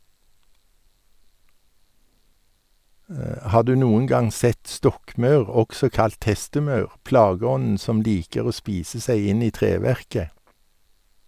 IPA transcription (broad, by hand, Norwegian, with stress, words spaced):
ˈhɑː ˈdʉː ˈnuːən ˈɡɑŋ ˈsɛt ˈstɔkˌmɑʉʁ ˈɔksɔ ˈkɑlt ˈhɛstəˌmɑʉʁ ˈplɑːˌɡɔnn̩ ˈsɔm ˈliːkəʁ ˈoː ˈspiːsə ˈsæɪ ˈɪn ˈiː ˈtʁeːˌʋæʁkə